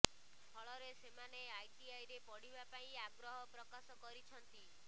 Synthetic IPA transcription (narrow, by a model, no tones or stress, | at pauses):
pʰɔɭɔɾesemaneajʈiajɾepɔɽ̤ibapaĩaɡɾɔɦɔpɾɔkasɔkɔɾit͡ʃʰɔnt̪i